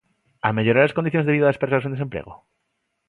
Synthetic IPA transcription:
a̰meʎoɾaɾleskond̪iθjonzðiðaðespes̬as̬end̪ese̞mpɾḛɣo̰

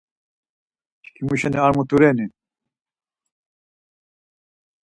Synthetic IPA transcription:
t͡ɕkʰimuɕɐneaɾmut̪uɾeni

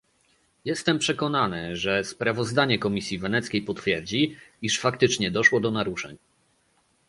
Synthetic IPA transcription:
jɛst̪ɛmpʂɛkɔnanɘʐɛspɾavɔzd̪aɲɛkɔmʲisʲjivɛnɛt̪skʲejpɔt̪fʲjɛɾd͡ʑiiʂfakt̪ɘt͡ʂɲɛd̪ɔʂwɔd̪ɔnaɾuʂɛ̰ɲ

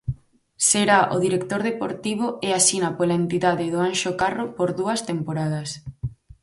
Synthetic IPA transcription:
seɾaʔo̰ðiɾekt̪oɾðepoɾt̪iβ̞ʊeasinapolaent̪iðaðɪðoanʃokarʊpoɾðuɐst̪empoɾað̞ɐs

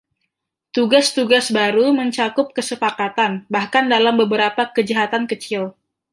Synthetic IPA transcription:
t̪uɡast̪uɡasbaɾuməɲt͡ʃakʊp̚kəsəpakat̪anbahkandalambəbəɾapakəd͡ʒaɦat̪ankət͡ʃɪl

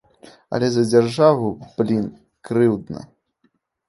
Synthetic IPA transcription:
ɐ̰lʲɛzɐd͡zʲarʐavublʲin | kɾɨwd̪nɐ̰

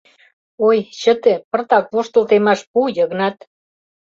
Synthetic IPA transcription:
ojɕət̪ĕpə̆rt̪ɑkvoʃt̪ə̆lt̪emɑʃpujəɣnɑt̪

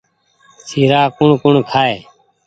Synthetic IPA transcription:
siːɾaːkʊɳkʊɳkʰaːeː

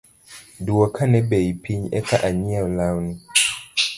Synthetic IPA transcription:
duɔkʰanɛbɛipʰiɲɛ̰kaʔaɲiɛlawni

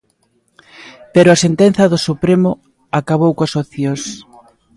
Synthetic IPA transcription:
pɛɾʊasent̪ɛnθɐðʊsupɾemʊ | akaβowkoasoθjos

